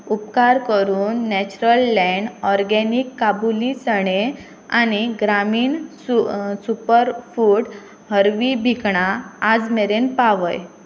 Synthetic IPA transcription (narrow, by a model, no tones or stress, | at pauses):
upkaɾkəɾuːnːɛt͡ɕuɾəlːɛ̃ɳɖɔɾɡɛnikːabulit͡səɽe | a̰ñiɡɾamiːɳssupəɾfuʈ | həɾʋibʱikɳaad͡zmeɾenpaʋəj